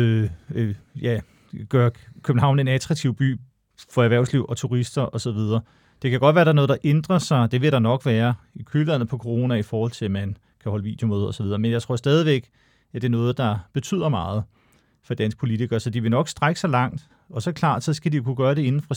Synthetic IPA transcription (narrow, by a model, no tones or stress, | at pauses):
ø | jæ | ɡ̥ɶɐkʰøb̥n̩ɦɑ̈ʊ̰ne̝næt͡sʰʁɑ̈ɡ̚t͡sʰiʊ̰b̥y̰ː | fɒ̽æʋæɐ̰ʊslḭʊ̰ʔɒ̽t͡sʰuʁisd̥ɐʔɒ̽sɒ̽ʋið̞ˠɐː | d̥ekʰæɡ̥ɒ̽d̥ʋæːɐd̥ɾɑ̈no̽ːð̩ˠdɑ̈ʔend̥ʁɐsɑ̈ɪd̥e̝ʋe̝ɾ̥ɑ̈nɒ̽ɡ̥ʋæːɐikʰylʋænð̩ˠpʰɒ̽kʰoʁo̝ːnæifɒːhɒ̽l̰t͡sʰe̝æmæn | kʰæhɒ̽ləʋḭːd̥jo̝moːð̞̩ˠɒ̽sɒʋið̞ˠɐmenjɑaɪt͡sʰʁo̝ɐ̰sd̥ɛːð̞ˠiʋeɡ̥ | æd̥e̝ɐnɔ̽ːð̩ˠd̥ɑ̈b̥e̝t͡sʰy̰ð̞̰ˠɐmɑ̈ːð̞̩ˠ | fɒ̽d̥æn̰sɡ̥pʰo̝lit͡sʰiɡ̥ɐsɒ̽d̥iʋe̝nɒ̽ɡ̥sd̥ʁaɡ̥ə̥sɒlɑ̈ŋ̰d̥ | ɒ̽sɒ̽kʰl̥ɑ̰̈ːd̥sɒ̽sɡ̥ædijo̝kʰuɡ̥ɶɐɾe̝e̝nn̩fʁɑ